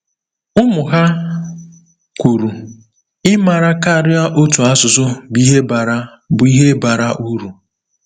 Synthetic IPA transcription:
ʊ˦mʊ˨ɦa˦ | kʷu˨ɾu˨ | ɪ˦ma˨ɾa˦ka˦˨ɾɪ˦a˦ʔo˦tu˨a˦sʊ˨zʊ˦bi˦ɦe˦ba˨ɾa˦ | bʊ˨i˦ɦe˦ba˨ɾa˦ʔu˦ɾu˨

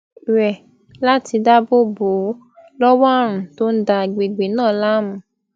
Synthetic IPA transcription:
ɾɛ˨ | la˦ti˧da˦bo˦bo˨˦ | lɔ˦wa˦˨ɾ̃ũ˨to˦n̩˦da˧˨ɡ͡be˨ɡ͡be˨nãː˦˨la˦mũ˨˦

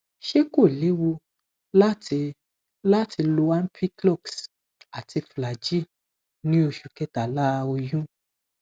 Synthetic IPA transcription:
ʃe˦ko˦˨le˨˦wo˧ | la˦ti˧ | la˦tʰi˧lo˧wa˦n̩˦pʰi˦klɔ˦˨ks | a˨ti˧fla˨d͡ʒi˦ | nĩ˦o˧ʃu˨kɛ˧ta˨la˦o˧jũ˦

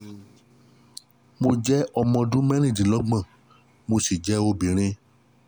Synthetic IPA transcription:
mo˧d͡ʒɛ˦ɔ˧mɔ̃˧dũ˦mɛ̃˦ɾ̃ĩ˦˨dĩ˨lɔ˨˦ɡ͡bã˦˨ | mo˧si˨d͡ʒɛ˨˦o˧bĩ˨ɾ̃ĩ˧

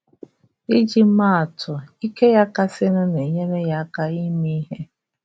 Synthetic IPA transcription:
i˦d͡ʒi˦a˦˨a˨tʰʊ˨i˦ke˦ja˦ka˦sɪ˦nʊ˦ne˨ɲe˦me˦ja˦ka˦i˦mi˦ɦe˦

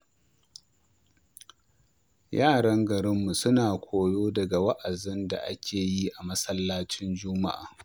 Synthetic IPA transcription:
jaː˦˨ɽɐ˦ŋɡɐ˨ɽɪ˦mːu˨sʊ˦naː˨kʷʰoː˨joː˦dɐ˨ɡa˨wɐ˦ʔa˨zɪ˦nda̰˨ʔa̰˦kʲʰeː˨ji˦ʔa˨mɐ˦sɐ˦lːaː˦t͡ʃɪ˦nd͡ʒʊ˦ma̰˦ʔa̰ː˨

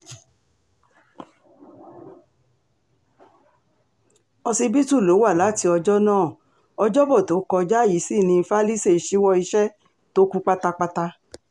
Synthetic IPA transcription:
ɔ˧si˧bi˦tu˦˨lo˨˦wa˦˨la˨˦˨ti˧ɔ˧d͡ʒɔ˦nãː˦˨ | ɔ˧d͡ʒɔ˦bɔ˦˨to˨˦kɔ˧d͡ʒa˦˨ji˨˦si˦˨nĩ˧fa˦li˦se˦˨i˨˦ʃi˦wɔ˧i˧ʃɛ˦ | to˦ku˦k͡pa˦ta˧k͡pa˧ta˧

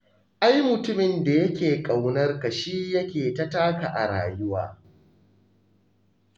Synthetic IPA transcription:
ʔa˦jmʊ˨tʊ˦mɪ˨nda˨jɐ˦kʲeː˨kʼa˨wnɐ˦rka˨ʃiː˦jɐ˦kʲeː˨ta˦taː˦ka˨ʔa̰˨ɽa̰ː˨jʊ˦wa̰ː˦

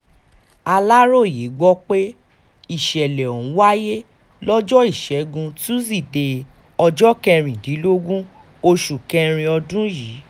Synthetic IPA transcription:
a˧la˦ɾo˦˨je˨˦ɡ͡bɔ˦k͡pe˦ | i˦˨ʃɛ˨lɛ˨o˨ũ˨˦wa˦je˦ | lɔ˦d͡ʒɔ˦i˦˨ʃɛ˨˦ɡũ˧tũ˦s̬i˦˨de˧ | ɔ˧d͡ʒɔ˦kɛ̃˧ɾ̃ĩ˨dĩ˨˦lo˦ɡũ˦ | o˧ʃu˨kɛ˧ɾ̃ĩ˧ɔ˧dũ˦ji˨˦

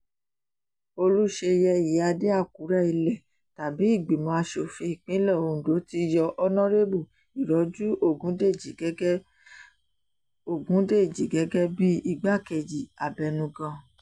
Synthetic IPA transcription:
o˧lu˦ʃe˧jɛ˧˨ji˨˦a˧de˦a˦˨ku˨˦ɾɛ˦i˧lɛ˨ | ta˨bi˨˦i˦˨ɡ͡bi˨mɔ̃˨˦a˧ʃo˨fi˧i˨k͡pĩ˨˦lɛ˦˨o˧˨ũ˨do˨˦ti˧jɔ˧ʔɔ˦nɔ̃˦ɾe˦bu˦˨ | i˨ɾɔ˨˦d͡ʒu˦o˦˨ɡũ˨˦de˦˨d͡ʒi˨ɡɛ˦ | o˦˨ɡũ˨˦de˦˨d͡ʒi˨ɡɛ˨˦ɡɛ˦bi˦i˦˨ɡ͡ba˦ke˨d͡ʒi˨a˨bɛ˨nũ˧ɡã˧

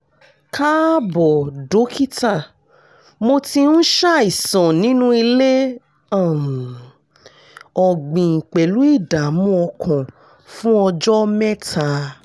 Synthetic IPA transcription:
ka˦bɔ˨do˨˦kʰi˦ta˦˨ | mo˧tĩ˧n̩˦ʃa˦˨i˨sɔ̃˨nĩ˨˦nũ˦i˧le˦ | ã˦˨m̩˨ | ɔ˨ɡ͡bĩ˨ŋ̩˨k͡pe˨lu˨˦i˦˨da˨˦mũ˦ɔ˧kʰɔ̃˨ | fũ˦ɔ˧d͡ʒɔ˦mɛ̃˦tʰa˧

